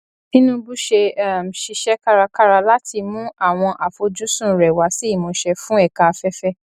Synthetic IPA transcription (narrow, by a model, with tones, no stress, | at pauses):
nĩ˦nũ˦bu˦ʃe˧˦˨m̩˨ʃi˧ʃɛ˦ka˦ɾa˧ka˦ɾa˧la˦tʰi˧mũ˦a˦˨w̃ɔ̃˧ʔa˨fo˨˧d͡ʒu˦sũ˦˨ɾɛ˨wa˨˦si˨˦i˦˨mõ˨˧ʃɛ˧fũ˦ɛ˦˨ka˨˧fɛ˦fɛ˦